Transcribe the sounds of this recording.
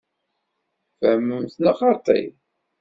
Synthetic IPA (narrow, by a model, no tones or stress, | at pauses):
fæməmθnaχɑɾt̪ˤḭ